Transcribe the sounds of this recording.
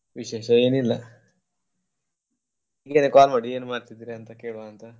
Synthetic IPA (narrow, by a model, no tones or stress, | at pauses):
ʋiɕeːʃɐeːnilːa | iɡenekaːlmaɽieːnmaːɾt̪id̪iɾeɐnt̪akeːɭoaːnt̪a